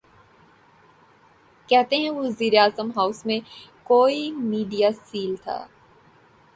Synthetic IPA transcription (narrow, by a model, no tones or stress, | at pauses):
kɛɦt̪eɦɛ̃ʋziːɾeaːzəmɦaːʊsmẽkoːimiːɖijasiːlt̪ʰa̰ː